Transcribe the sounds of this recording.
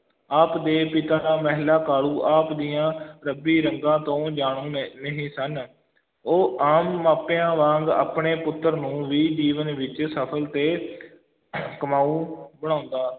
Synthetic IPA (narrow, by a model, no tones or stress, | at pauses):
aːpd̪eːpɪt̪aːmɛɦlaːkaːluːʔaːpd̪ɪjãːɾəbiːɾəŋɡãːt̪õːd͡ʒaːɳũːnəɦĩːsən | oːʔaːmːaːpeãːʋãːŋɡa̰ːpɳeːpʊt̪ːəɾnũːʋiːd͡ʒiːʋənʋɪt͡ʃsəpʰəlt̪eː | kəmaːũːbəɽ̃ãːʊnd̪aː